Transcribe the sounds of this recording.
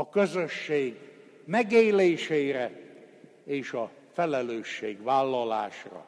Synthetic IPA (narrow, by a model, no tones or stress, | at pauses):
ɒkøzøʃːeːɡ | mɛɡeːleːʃeːjɾɛ | eːʃɒ | fɛlɛløːʃːeːɡʋaːlːɒla̰ːʃrɒ̰